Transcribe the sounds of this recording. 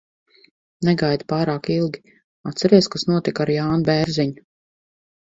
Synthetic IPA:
nɛɡajd̪paːɾaːkilˠɡʲi | at̪t̪sɛɾiɛskasnuɔt̪ikaɾjaːnubɛɾziɲu

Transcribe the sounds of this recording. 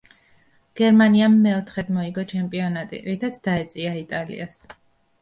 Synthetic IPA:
ɡ̥ɛɾmaniamːɛɔt̪ʰχɛd̪mɔiɡɔt͡ʃʰɛmpʼiɔnat̪ʼḭɾit̪ʰat̪ʰd̪aɛt̪sʼiait̪ʼalḭas

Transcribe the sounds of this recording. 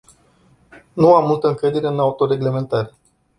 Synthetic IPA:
nuamːult̪əɨŋkɾed̪eɾeɨnaut̪o̞ɾe̞ɡle̞me̞nt̪aɾe

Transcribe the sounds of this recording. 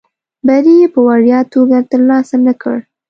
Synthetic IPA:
baɾijepəwaɽjɑt̪oɡat̪əɾlɑsanəkə̰ɽ

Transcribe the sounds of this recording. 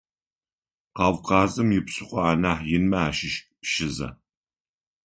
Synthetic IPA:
qɑːwqɑːzɨmjɪpɕʼɪqʷɔaːnaːħjɪnmɐaːʃɪʃpʃɪzɐ̰

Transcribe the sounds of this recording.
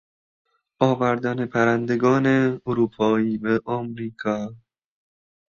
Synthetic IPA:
ɒːvæɾd̪ænepʰæɾænd̪eɡɒːneoɾuːpʰɒːiːbeʔɒmɾiːkʰɒː

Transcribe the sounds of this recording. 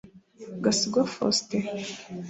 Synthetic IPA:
ɡasiɡafo̰ste

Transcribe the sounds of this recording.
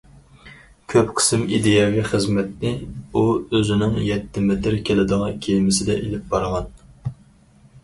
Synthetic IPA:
kʲʰøpqʰə̥sɪmid̪ejɑvʲiχəzmɛt̪̚nɪuøzɪnɪŋjɛt̪ʰːɪmɪt̪ʰɪɾkʲelɪd̪əʁɑkʲʰejmɪsɪd̪ɛ̰ʔelɪp̚bɑɾʁɑn

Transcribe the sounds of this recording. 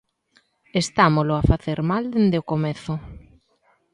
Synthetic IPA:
est̪amolʊafaθeɾmald̪end̪eokomeθʊ

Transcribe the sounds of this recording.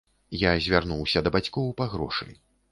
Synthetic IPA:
jazʲvʲarnuwsʲɐd̪ɐbat͡sʲkɔwpaɣɾɔʂɨ̰j

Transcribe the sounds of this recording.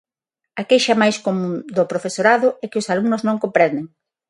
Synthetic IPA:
akejʃamajskomud̪opɾofesoɾaðʊɛkɪʊsaluŋnʊznõŋkõmpɾɛnd̪eŋ

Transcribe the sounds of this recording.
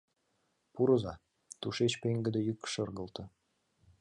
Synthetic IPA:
puɾəzɑ | t̪uʃet͡ɕpeŋɡə̆d̪ejykʃɤrɣəlt̪ɤ̆

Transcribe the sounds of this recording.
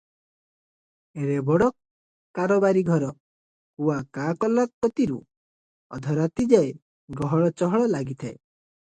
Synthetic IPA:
eɾebɔɽɔ | kaɾobaɾiɡʱɔɾɔ | huakakɔlakːɔt̪iɾu | ɔ̰d̪ʱɔɾat̪id͡ʒae | ɡɔɦɔɭɔt͡ʃɔɦɔɭɔlaɡit̪ʰaḛ

